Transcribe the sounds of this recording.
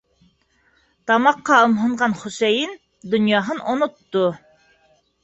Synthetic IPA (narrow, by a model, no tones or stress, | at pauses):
t̪ɑmɑqːɑŏmɦɤ̆ɴʁɑnχʊsæjɘn | d̪ɵ̆njɑɦɤnonŏt̪ːo